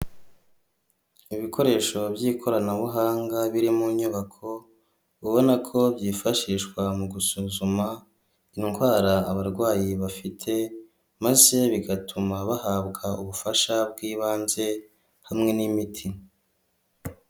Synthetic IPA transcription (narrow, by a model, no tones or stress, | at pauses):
iβikʰo̞ɾe̞ːʃo̞bjiːkʰo̞ɾanaβuɦaːŋɡaβiɾimuɲuβakʰo̞ | βuβo̞nakʰo̞bjiːfaʃiːʃkwamuɡusuːzuma | iŋɡwaːɾaːβaɾɡwaːjiβafitʰe̞ | maze̞βiɡatʰumaβahaːbɡauβufaʃabɡiːβaːnze̞ | hamŋe̞nimitʰi